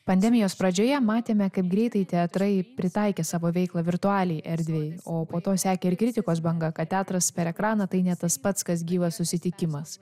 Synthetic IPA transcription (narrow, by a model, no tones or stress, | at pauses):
pɐnʲd̪ʲɛmʲɪjoːspɾɐd͡ʒʲoːjɛmɑːt̪ʲeːmʲɛkɐɪp̚ɡɾʲɛɪt̪ɐɪt̪ʲɛɐt̪ɾɐɪpʲɾʲɪt̪ɐɪkʲɛːsɑːʋoːʋʲɛɪklˠɐːʋʲɪɾt̪ʊɑːlʲɛɪʔɛɾʲd̪ʲʋʲɛjoːpoːt̪oːsʲæːkʲɛɪɾkɾʲɪt̪ʲɪkoːs̬bɐŋɡɐkɐt̪t̪ʲæːt̪ɾɐspʲɛɾɛkɾɑːnɐt̪ɐɪnʲɛt̪ɐspɐt̪skɐs̬ɡʲiːʋɐsʊsʲɪt̪ʲɪkʲɪmɐs